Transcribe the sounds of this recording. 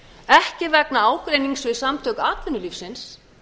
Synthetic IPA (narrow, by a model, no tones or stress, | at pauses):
ɛhcɪvɛknaaːwkɾejniŋksvɪðsamt̪ʰœkaːt̪vɪnːʏlifsɪns